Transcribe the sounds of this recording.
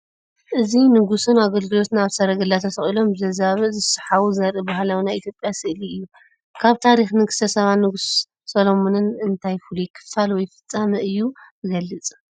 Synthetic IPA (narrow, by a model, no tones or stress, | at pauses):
ʔɨzinɨɡusɨnaɡɐlɡɨlo̞t̪naβsɐɾɐɡɐlːat̪ʰɐsɐχʼilo̞mbɨzɐzaβɨzɨsɨħawuzɐɾʔɨbaɦlawnajʔit̪ʰjo̞pʼjasɨʔliɨjːu | kʰaβt̪ʰaɾixnɨɡɨsɐsɐβannːɨɡusː | ɐlomonɨnɨnt̪ʰajfulujkʰɨ̥falwɔjfɨ̥t͡sʼːamɐʔɨjːubɨɡɐlːɨt͡sʼ